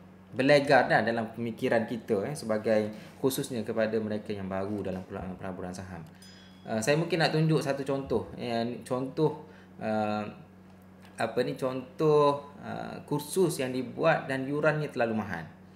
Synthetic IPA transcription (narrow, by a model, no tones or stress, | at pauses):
bəleɡarnahdalampəmikiɾankit̪əɛsəbaɡajkususɲakəpadaməɾekajaŋbaɾudalampula̰ʔanpəlabuɾansaɦa̰m | ʔəsajamũŋkɪnːaʔt̪uɲd͡ʒʊʔsat̪ut͡ʃɔnt̪ɔhnt͡ʃɔnt̪ɔh | ʔəm | apənit͡ʃɔnt̪ɔhə̰kursʊsjaŋdibuat̪̚danjuɾanɲãt̪əlalumaɦa̰n